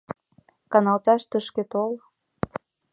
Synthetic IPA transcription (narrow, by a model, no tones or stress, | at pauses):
kɑnɑlt̪ɑʃt̪əʃket̪ol